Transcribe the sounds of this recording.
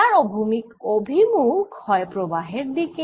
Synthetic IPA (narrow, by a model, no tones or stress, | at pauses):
aɹɔbʱumikobʱimukɔjpɹɔbaɦeɹd̪ike